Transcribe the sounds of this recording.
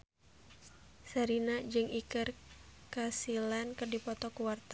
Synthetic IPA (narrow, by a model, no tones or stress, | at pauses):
saɾinad͡ʒɨŋikɨrkasilankɨrdipɔt̪ɔkuwart̪a